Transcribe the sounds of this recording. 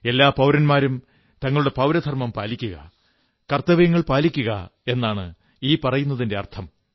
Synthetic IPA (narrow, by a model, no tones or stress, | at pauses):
e̞lːaːpɐwɾɐnmaːɾum | t̪ɐŋːɐɭuɽe̞pɐwɾɐd̪ʱɐrmɐmpaːlikʲːuɣɐ̰ | kɐrt̪ɐʋɐjɐŋːɐɭpaːlikʲːuɣɐ̰e̞nːaːɳɨ̰ | iːpɐrɐjunːɐðinde̞ɐrt̪ʰɐm